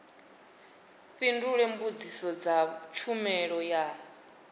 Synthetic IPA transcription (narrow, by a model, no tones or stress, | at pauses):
ɸinduɺɛmbud͡zisɔd͡zat͡ʃʰumɛɺɔja